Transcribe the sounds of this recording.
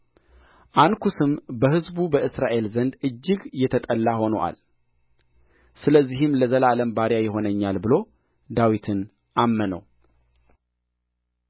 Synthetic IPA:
ʔankʰusɨmbəhɨzbubəʔɨsɾaʔe̞lzənd̪ɨd͡ʒːɪɡjɛt̪ʰət̪ʼəlːaho̞nəʔa̰l | sɨləzːihɨmləzəlaləmbaɾjajɛɦo̞nəɲːalbɨlo̞ | d̪awit̪ʰɨn | ʔamːənə̰w

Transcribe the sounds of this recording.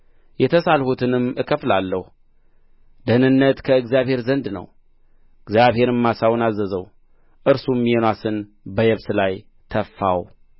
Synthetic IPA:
jɛt̪ʰəsalhut̪ʰɨnɨmɨkʰəflalːəhu | d̪ənɨnːət̪kʰəɨɡzjaβhe̞ɾzənd̪nə̰w | ɨɡzjaβhe̞ɾɨmːasawnazːəzəw | ʔɨɾsumːijenwasɨn | bəjɛβsɨlaj | t̪ʰəfːaw

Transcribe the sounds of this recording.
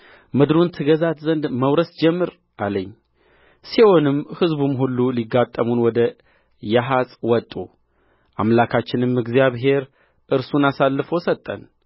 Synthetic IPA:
mɨd̪ɾunt̪ʰɨɡəzat̪zənd̪məwɾəsd͡ʒɛmːɨɾ | ʔaləɲː | siwo̞nɨmhɨzbumɦulːuliɡːat̪ʼːəmunwɔd̪ə | jaɦasʼwɔt̪ʼːu | ʔa̰mlakʰat͡ʃːɪnɨmɨɡzijaβɦe̞ɾ | ʔɨɾsunasalːɨfosət̪ʼːə̰n

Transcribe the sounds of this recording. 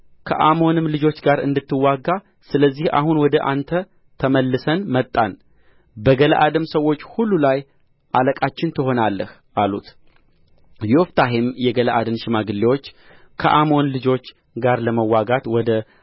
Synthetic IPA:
kʰə̰ʔamo̞nɨmlɨd͡ʒo̞t͡ʃːɡaɾɨ̰nd̪ɨt̪ːɨwːaɡːa | sɨləzːiha̰hunwɔd̪əʔant̪ʰə | t̪ʰəməlːɨsənmət̪ʼːan | bəɡələʔad̪ɨmsəwːo̞t͡ʃːhulːulaj | ʔaləkʼat͡ʃːɪnt̪ʰɨɦo̞nalːəh | ʔalut̪ | jɛɔft̪ʰaɦɪmjɛɡələʔad̪ɨnʃɪmaɡɨlːewo̞t͡ʃː | kʰəʔamo̞nlɨd͡ʒo̞t͡ʃː | ɡaɾləməwːaɡat̪wɔd̪ə

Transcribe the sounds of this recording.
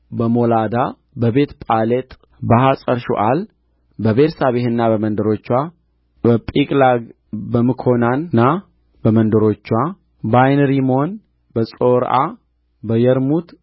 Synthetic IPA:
bəmolad̪a | bəbe̞t̪pʼalet̪ʼ | bəhasʼəɾʃṵʔal | bəβeɾsaβehɨnːabəmənd̪əɾo̞t͡ʃːwa | bəpʼikʼlaɡ | bəmɨkʰo̞nanːa | bəmənd̪əɾo̞t͡ʃːwa | bajnɾimo̞n | bəsʼo̞ɾa̰ | bəjəɾmut̪

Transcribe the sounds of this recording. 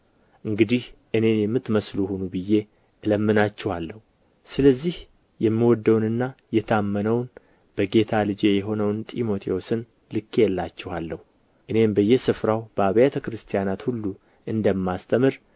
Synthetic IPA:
ʔɨŋɡɨd̪ihʔɨne̞njɛmːɨt̪məsluhunubɨjːe̞ | ʔɨləmːɨnat͡ʃːɛhalːəhu | sɨləzːih | jɛmːiwɔd̪ːəwnɨnːajɛt̪ʰəamːənəwn | b̥əɡe̞t̪ʰalɨd͡ʒe̞jɛɦo̞nəwnt̪ʼimo̞t̪ʰeo̞sɨn | lɨkːjɛlːat͡ʃːɛhalːəhu | ʔɨne̞mbəjːɛsɨfɾawb̥əaβjat̪ʰəkɾɨst̪ʰijanat̪hulːu | ʔɨnd̪əmːast̪ʰʼəmɨɾ

